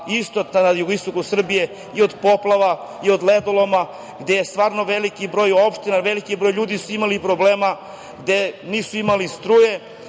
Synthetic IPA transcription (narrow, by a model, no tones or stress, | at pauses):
ist̪ot̪nanajuɡoist̪o̞kusr̩bije̞ | io̞d̪po̞plˠaʋa | io̞d̪led̪olˠoma | ɡd̪e̞jest̪ʋaːɾnoʋelikibɾo̞ːjo̞pʃt̪inaʋelikibɾojʎuːd̪isuimalipɾobleːma | ɡd̪e̞niːsuimalist̪ɾuːje